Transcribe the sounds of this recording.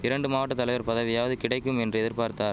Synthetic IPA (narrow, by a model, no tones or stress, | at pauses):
ɪɾɐɳɖɯmaːʋɐʈːɐt̪ːɐlɐɪʋɐɾpɐðɐʋɪjaːʋɐðɯkɪɽɐɪkːɯmɛndrɯɛðɪɾpaːɾt̪aːɾ